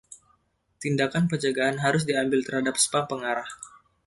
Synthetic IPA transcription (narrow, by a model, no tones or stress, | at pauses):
t̪indakanpərd͡ʒaɡaanɦaɾʊs̬diambɪlt̪ərhadap̚sə̥pampəŋaɾah